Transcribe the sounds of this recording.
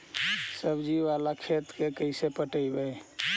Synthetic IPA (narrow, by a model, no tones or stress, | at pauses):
səbd͡ʒiʋalakʰet̪kekəɪsepəʈəjbəj